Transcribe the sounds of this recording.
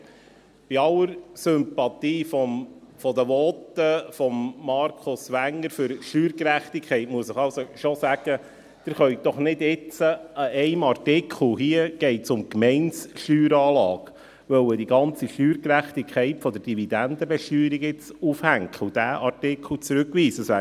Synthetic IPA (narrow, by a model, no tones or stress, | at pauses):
b̥iɑlːəɾsʏmpɑt̪iːfɔmfɔd̪əʋɔt̪əfɔmːɑɾkʰʊsʋæŋːəɾfʏɾʃtyːɾkɾæχtikʰɛɪtmuəsɪχɑlsoʃosæɡ̥ə | d̪̥ɪɾχœʏd̥̪ɔχnɪdɪt͡səəɛɪmɑrtɪkʰχl̩ˠɦiəɡ̥ɛɪtsʊmkmɛɪnsʃyːɾɑːlɑːɡ̥ | ʋœwədiɡɑnt͡siʃtyːɾkɾæχt̪ikʰχɛɪtfɔd̪əɾd̥ivid̥̪ænd̥̪əbɛʃtyːɾikɪt͡sufhæŋkχʊd̥æːʔɑɾtɪkʰl̩t͡sɾʉkʋiːsəsæ